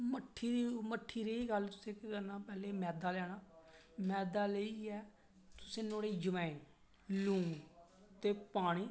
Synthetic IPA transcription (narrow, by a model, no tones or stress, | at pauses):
məʈʰːiːɾiːməʈʰːiːɾeːiːɡəlt̪ʊsẽːkɡənaːpɛːleːmɛːd̪aːlɛːɽ̃aː | mɛːd̪aːleiːɛː | t̪ʊ̥sẽːnoːɽeːd͡ʒəmãːĩː | lũː | t̪eːpaːɽ̃iː